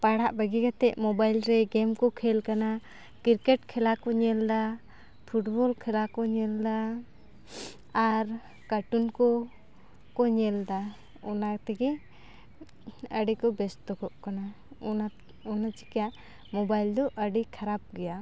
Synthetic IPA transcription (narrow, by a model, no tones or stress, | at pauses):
paɽaʔbəɡikat̪ɛʔ̚mɔbajlɾɛɡɛmkɔkʰɛlkana | kiɾkɛʈ̚kʰɛlakɔɲɛld̪a | pʰuʈbɔlkʰɛlakɔɲɛld̪a | aɾ | kaʈunkɔ | kɔɲɛld̪a | ɔnat̪ɛɡɛ | əɖikɔbɛst̪ɔkɔʔkana | ɔna | ɔnat͡ʃi̥kɛjaʔ | mɔbajld̪ɔʔəɖikʰaɾap̚ɡɛja